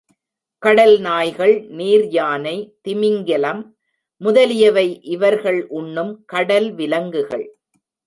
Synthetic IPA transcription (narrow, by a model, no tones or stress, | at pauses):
kɐɽɐlnaːjɣɐɭniːɾjaːnɐɪt̪ɪmɪŋɡɐlɐmː | ʊðɐlɪjɐʋɐɪʔɪʋɐɾɣɐɭʔʊɳːɯmkɐɽɐlʋɪlɐŋɡɯɣɐ̰ɭ